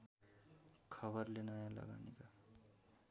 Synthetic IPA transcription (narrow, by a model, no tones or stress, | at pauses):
kʰʌbʌrlenʌjãlʌ̰ɡa̰nika